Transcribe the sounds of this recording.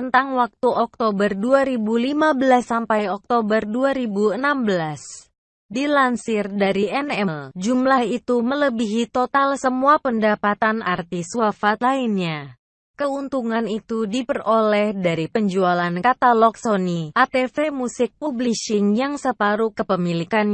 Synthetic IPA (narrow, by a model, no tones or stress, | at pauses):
ənt̪aŋwak̚t̪uʔɔk̚t̪obərduaɾibulimabəlasːampajɔk̚t̪obərduaɾibuənambəlas | dilansɪrdaɾiʔɛnɛld͡ʒumlahit̪umələbiɦit̪ot̪alsəmuapəndapat̪anʔa̰rt̪iswafat̪lainɲa | kəunt̪uŋanit̪udipərolɛhdaɾipəɲd͡ʒualankat̪alɔk̚soniʔat̪efemusɪk̚publiʃiŋjaŋsəpaɾukəpəmilikan